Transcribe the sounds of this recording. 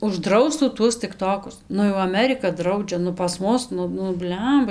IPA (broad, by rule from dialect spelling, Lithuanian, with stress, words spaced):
ʊʒˈdrɐʊstuː ˈtuɔs tʲɪkˈtoːkʊs ˈnʊ jɛʊ ɐˈmʲæːrʲɪkɐ ˈdrɐʊd͡ʒʲɛ nʊ pɐs ˈmʊs ˈnʊ nʊ ˈbʲlʲɛmbɐ